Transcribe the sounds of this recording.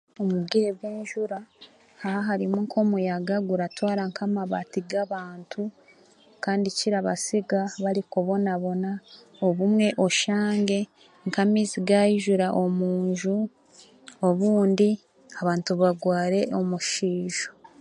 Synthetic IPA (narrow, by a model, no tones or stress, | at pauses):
omubɡiɾeβwiːɲʒuɾa | ahaɦaɾimuŋkʰo̞mujaɡaɡuɾatwaːɾaŋkamaβatiɡaβaːntʰu | kaːndiciɾaβasiɡaβaɾikoβo̞naβo̞na | oβumŋe̞ʔo̞ʃaːŋɡe̞ | ŋkamiːziɡajiʒuɾaʔo̞muːɲʒu | oβuːndi | aβaːntuβaɡwaːɾe̞ʔo̞muʃiːʒ̥o̥